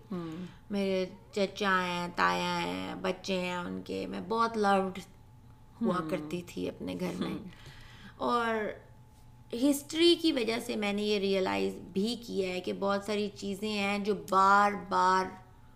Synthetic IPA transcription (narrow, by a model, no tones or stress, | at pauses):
meːɾet͡ʃɐɾt͡ʃãɦɛ̃t̪aːjãɦɛ̰̃bɐtːʃẽɛ̃ʊnkḛmɛ̃bɔːt̪lɐʋɖ | huakɐɾt̪it̪ʰḭɐ̰pnḛɡʱɐɾmẽ | ɔːɾ | ɦɪsʈɾikiʋɐd͡ʒasemɛ̃ːnejeɾijəla̰ːɪzbʱikiaɦɛkebɔːt̪saːɾit͡ʃiːzẽɦɛ̃d͡ʒoːbaːɾbaːɾ